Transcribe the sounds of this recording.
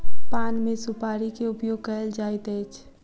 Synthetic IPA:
panmẽsupaːɾikeʊpjoɡ̚kəəld͡ʒaːɪt̪ɛt͡ʃʰ

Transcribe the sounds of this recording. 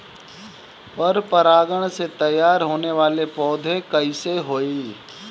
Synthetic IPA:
pɐɾpɐɾaːɡəɽ̃set̪ɐjːaːɾɦoːneʋaːlepɔːd̪ʱẽkɐiseɦoːiː

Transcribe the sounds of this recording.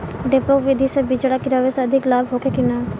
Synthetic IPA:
ɖepokʋɪd̪ʱisebid͡ʒɽakɪɾaːʋeseɐd̪ʱɪklaːbɦoːkekɪnaː

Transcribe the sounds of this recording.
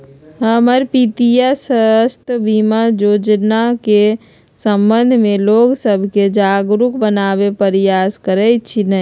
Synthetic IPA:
ɦəməɾpit̪ijasəəst̪ʰbimajoːd͡ʒnake | səmbə̃nd̪ʱmẽloːɡsəbʱked͡ʒaːɡɾukbənaːbepəɾjaskəɾɛt͡ʃʰinə

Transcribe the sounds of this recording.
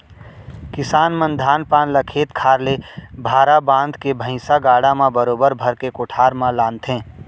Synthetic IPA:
kɪsaːnmə̃nd̪ʱaːnpaːnlakʰeːt̪kʰaːɾlebʱaːɾabãːnd̪ʱkebʱə̃ɪ̃saɡaːɽamãbəɾoːbəɾbʱəɾkekoʈʰaːɾmãlaːnt̪ʰɦẽː

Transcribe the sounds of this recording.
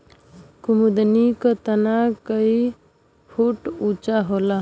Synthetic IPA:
kumud̪nikət̪ənakəi | pʰuʈut͡ʃaɦola

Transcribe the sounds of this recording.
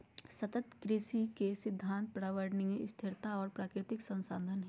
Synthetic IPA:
sɐt̪ət̪kɾɪsikesɪd̪ʱːãːnt̪̚pɾaːʋəɾɖnemest̪ʰɪɾt̪ʰaɔːɾpɾaːkɾɪt̪ɪksɐ̃nsaːnd̪ʱənɦɛ

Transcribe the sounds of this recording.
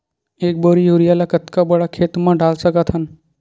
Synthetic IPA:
eːk̚boːɾijoːɾijaːlakɐt̪kabɐɽakʰeːt̪mãɖaːlsɐkat̪ʰɦən

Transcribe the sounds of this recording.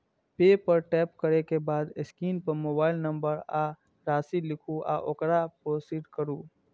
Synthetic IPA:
peːpɐɾʈɛːpkɐɾekebaːd̪ɪskiːnpɐɾmoːbaːɪlnɐ̃mbəɾaː | ɾaːsilɪkʰuʔa̰ːʔokɾapoːsiːʈkɐɾuː

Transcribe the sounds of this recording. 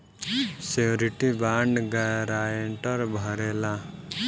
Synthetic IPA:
seoɾiʈibaːɳɖɡaɾajeɳʈəɾbʱɔɾela

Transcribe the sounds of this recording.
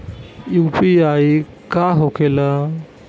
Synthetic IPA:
juːpiai | kaɦokʰela

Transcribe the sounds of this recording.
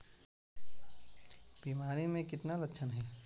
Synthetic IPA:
b̥iːmaːɾimẽkɪt̪nalɐkːʃʰənɦɛː

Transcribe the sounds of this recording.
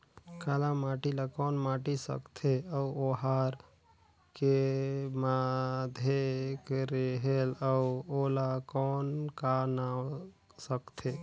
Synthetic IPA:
kalamaʈilakɔːnmaʈisə̰kt̪ʰeəuoɦaɾ | kemad̪ʱekɾeɦeləuolakɔnkana | səkt̪ʰe

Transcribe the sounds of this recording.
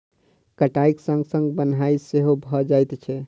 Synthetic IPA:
kəʈaiksə̃ŋɡsə̃ŋɡbənɦaiseɦobʱɔd͡ʒajt̪t͡ʃʰɛ

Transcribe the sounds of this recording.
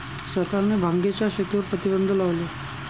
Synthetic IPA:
sət̪anebʱaŋɡet͡ɕjaɕet̪uɾpɾət̪ibənd̪ʱəlaʋle

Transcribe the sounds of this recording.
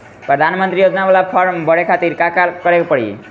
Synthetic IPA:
pɾəd̪ʱanmənt̪ɾijod͡ʒnaʋalapʰʌɾmbʌɽekʰat̪iɾkakakʌɾekpəɽḭ

